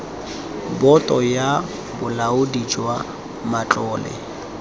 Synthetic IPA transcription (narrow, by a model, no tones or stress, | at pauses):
bɔtʼɔja | bʊlaʊdid͡ʒʼwa | mat͡ɬʼɔːlɛ̰